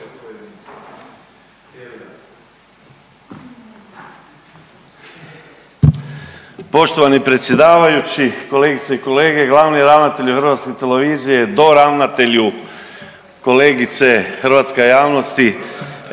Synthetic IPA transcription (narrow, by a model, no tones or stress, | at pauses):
po̞ʃt̪oʋanipɾe̞t̪sje̞d̪aːʋajut͡ɕiko̞leɡit̪seiko̞leːɡe̞ɡlˠaːʋniɾaʋnat̪e̞ʎuxr̩ʋat̪ske̞t̪ele̞ʋiːzije̞d̪o̞ɾaʋnat̪e̞ʎu | ko̞leːɡit̪sexr̩ʋat̪skejaːʋnost̪i